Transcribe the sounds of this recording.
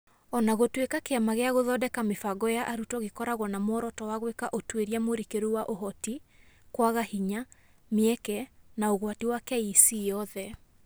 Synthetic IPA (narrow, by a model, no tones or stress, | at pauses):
ɔnaɣotwekakeamaɣeaɣoðɔdɛkamefaɡɔjaʔaɾutɔɣekɔɾaɣwɔnamɔɾɔtɔwaɣwekaʔotweɾiamoɾikeɾuwaʔoɦɔti | kwaɣahiɲa | meɛkɛnaoɣwatiwakɛisijɔðɛ